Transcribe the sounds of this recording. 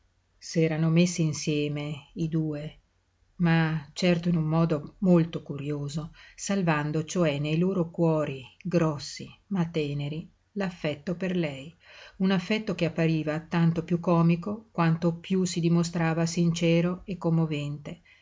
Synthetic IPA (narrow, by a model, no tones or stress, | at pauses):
sɛːɾanomesːiːnsjɛːmeid̪uːe | mat͡ʃɛrt̪oinumːɔːd̪omolt̪okuɾjoːzosalvand̪ot͡ʃoɛnːejloːɾokwɔːɾiɡɾɔsːimat̪ɛːneɾi | lafːɛt̪ːoperlɛjunafːɛt̪ːokeapːaɾiːvat̪ant̪opjukːɔːmikokwant̪opjusid̪imost̪ɾaːvasint͡ʃɛːɾoekːomːovɛnt̪e